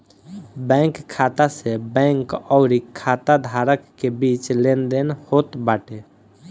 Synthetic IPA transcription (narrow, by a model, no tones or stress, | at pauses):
bɛ̃ŋkʰːat̪asebɛ̃ŋkɔʊɾikʰːat̪ad̪ʱaɾəkːebit͡ʃlend̪enhot̪baːʈe